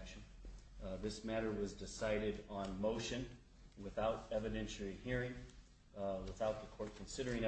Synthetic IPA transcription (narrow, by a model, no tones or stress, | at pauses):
kʃɨ̃n | ðɪsmæɾə˞wʌzdɨsaɪɾɨɾn̩moʊʃɨ̃n | wɨθaʊɾɛvɨɾɛ̃nʃl̩ˠihiɹɪ̃ŋ | wəθaʊt̪̚ðəkʰɔɹt̚kʰn̩sɪɾə˞ɪ̃ŋ